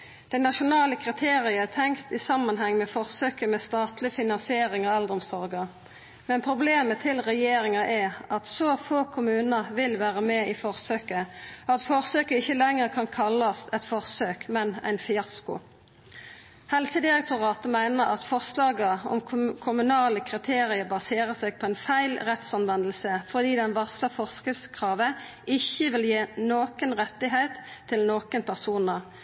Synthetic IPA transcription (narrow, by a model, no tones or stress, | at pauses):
d̪̥æɪnɑʃʊnɑːləkʰʁɪt̪ʰeːʁɪət̪ʰɛŋkt̪ɪsɑmːɑnɦɛŋːmɛfɔʁsøːkəmɛst̪ɑːt̪lɪfɪnɑnsɪeːɾɪŋɔɛld̪ɾɔmsɔʁɡə | mɛnpʰʁʊbleːmət̪ʰɪlʁɛjeːɾɪŋɑʔɛʔɑt̪sɔfoːkʰʊmʉːnəʋɪlʋæːʁəmeːiːfɔʁsøːkəɑt̪fɔʁsøːkəɪçəlɛŋːəʁkʰɑnkʰɑlːɑsɛt̪fɔʁsøːkmɛnæ̰ɪnfɪɑskʊ̰ | hɛlsəd̪ɪʁɛk̚t̪ʰʊʁɑːt̪əmæɪnəʁɑt̪fɔʁslɑːɡəɔ̰mkʰʊmʉnɑːləkʰʁɪt̪ʰeːʁɪəbɑseːʁəsɛɡ̚pʰɔæɪnfæɪlʁɛt̪sɑnʋɛnəl̩səfɔʁd̪iːd̪ɛnʋɑʁsləfɔʁskəfskʰʁɑːʋə | ɪçːəʋɪljeːnoːkənʁɛt̪ːɪɦɛɪt̪ʰːɪlnoːkənpʰæʁsuːnə